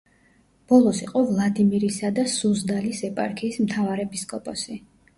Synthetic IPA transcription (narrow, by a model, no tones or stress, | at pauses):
b̥ɔlˠɔsiqʼɔvlˠad̪imiɾisad̪asuzd̪alisɛpʼa̰ɾkʰiːsmt̪ʰavaɾɛpʰiskʼɔpʼɔsi